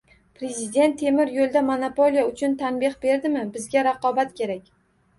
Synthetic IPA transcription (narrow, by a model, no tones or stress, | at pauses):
pɾe̞zɪd̪e̞nt̪ʰːe̞mɪɾjolˠd̪amonapolijaʊt͡ʃʰʊnt̪ʰanbɪχbe̞ɾd̪ɪmɪbɪzɡʲaɾaqɒbat̪kʲʰe̞ɾakʲ